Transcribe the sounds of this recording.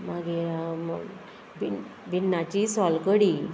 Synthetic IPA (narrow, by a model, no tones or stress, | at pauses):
maɡi | bibinːat͡ɕisɔlkəɽi